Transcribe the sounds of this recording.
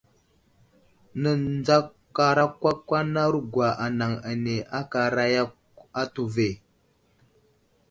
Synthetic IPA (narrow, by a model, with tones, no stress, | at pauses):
nə˨nd͡za˦ | ka˨ɾa˦kwa˦kːʷa˦na˦ɾu˦ɡʷwa˨ʔa˨na˨ŋa˨ne˨a˦ka˨ɾa˦ja˦k | a˦tu˨ve˨